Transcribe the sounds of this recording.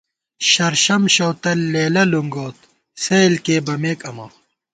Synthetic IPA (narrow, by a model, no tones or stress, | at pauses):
ɕɐɾɕɐmɕɐwt̪ɐlːeːlɐluŋɡoːt̪̚ | sejlkeːbɐmeːkɐmɐ̰